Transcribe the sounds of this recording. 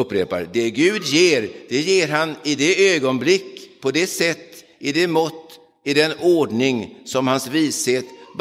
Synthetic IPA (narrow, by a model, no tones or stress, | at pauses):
ɵpːɾeːpa̰ɾd̪ɛɡʉ̟ːd̪jeːɾd̪̥ɛjeːɾɦanɪd̪ɛøːɡɔnblɪkːpʰɔd̪ɛsɛt̪ː | ɪd̪ɛmɔt̪ː | ɪd̪ɛnoːɖɳɪŋsɔmhansviːsheːt̪b